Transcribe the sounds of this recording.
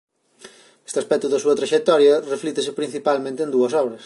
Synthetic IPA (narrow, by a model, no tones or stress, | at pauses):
est̪easpɛk̚t̪ʊðɐsuɐt̪ɾɐʃek̚t̪ɔɾjɐreflit̪esɪpɾin̟θipalmẽnt̪end̪uɐsɔβɾɐs